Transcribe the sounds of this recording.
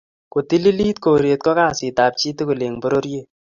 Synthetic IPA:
ko˨ti˦li˦li˦t̚ko˨ɾje˨t̚kɔ˦ka˦˨si˨ta˨p̚t͡ʃi˦te˦ku˨le˨ŋbo˦ɾo˦ɾje˦˨

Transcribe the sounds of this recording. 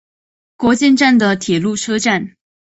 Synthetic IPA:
kwɔ˧˥t͡ɕjɛ˥˧nʈ͡ʂa˥˩nd̪ə˩t̪ʰjɛ˨˩lu˥˩ʈ͡ʂʰɤ˥ʈ͡ʂa˥˩n

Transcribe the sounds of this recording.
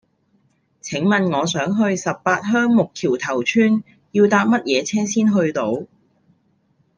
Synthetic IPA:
t͡sʰɪ˨˥ŋmɐ˨nŋɔː˨˧sœː˨˥ŋɦɵ˧ɥsɐ˨p̚ːpaː˧t̚ɦœː˥ŋmʊ˨kʰiː˨˩wt̪ʰɐ˨˩wt͡ʃʰyː˥n | jiː˧wt̪aː˧p̚mɐ˥t̚jɛː˨˧t͡sʰɛː˥siː˥nɦɵ˧ɥt̪o˨˥w

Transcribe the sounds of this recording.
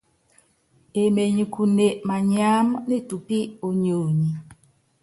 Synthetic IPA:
e˨me˨ɲi˨kʰu˨ne˨ʔma˨ɲ˦a˦mne˦˨tu˨pi˦o˨ɲo˨ɲi˨

